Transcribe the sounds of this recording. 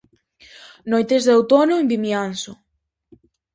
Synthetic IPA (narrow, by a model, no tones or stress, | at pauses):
nojt̪ezðawt̪onoembimjansʊ